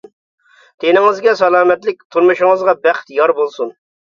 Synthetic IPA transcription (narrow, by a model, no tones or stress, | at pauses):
t̪ʰenɪŋɨzɡʲɛsɑlˠɑːmɛt̪lɪk̚ʲt̪ʰuɾmɨʃɪŋɨzʁɑbæχt̪jɑɾbolˠsun